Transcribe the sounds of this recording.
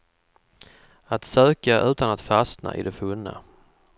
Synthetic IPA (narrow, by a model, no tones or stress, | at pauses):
at̪søːkaʔʉ̟ːt̪anat̪fasna̰ʔɪ̰d̪ɛfɵnːa̰